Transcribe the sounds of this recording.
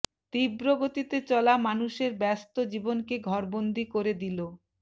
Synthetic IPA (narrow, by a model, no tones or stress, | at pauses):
t̪ibɾoɡot̪it̪et͡ɕɔlamanuʃeɾbɛst̪od͡ʑibonkeɡʱɔɾbond̪ʱikoɾed̪ilo